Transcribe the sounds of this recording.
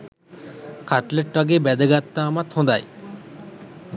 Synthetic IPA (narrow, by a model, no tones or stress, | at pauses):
kaʈleʈʋaɡeːbɛd̪əɡat̪ːaːmat̪hõnd̪a̰j